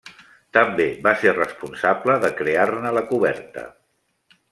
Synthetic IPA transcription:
t̪əmbeβaserəspunsabləðəkɾearnələkuβɛ̰rt̪ə̰

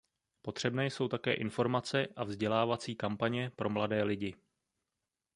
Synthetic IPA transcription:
po̞t̪r̝̥ɛbnɛːjso̞wt̪akɛ̰ːʔɪnfo̞ɾmat͡sɛʔavzɟɛlaːvat͡siːkampaɲɛpɾʔo̞mladɛːlɪɟɪ

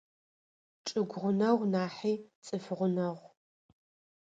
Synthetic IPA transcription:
ʈ͡ʂʼɨɡʷʁʷʊnɐʁʷnaːħiːt͡sʼɨfɨʁʷʊnɐʁʷ

